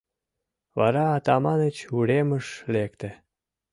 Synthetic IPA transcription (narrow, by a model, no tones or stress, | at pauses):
βɑ̰ɾɑːt̪ɑmɑnət͡ɕuɾeməʃlek̚t̪ĕ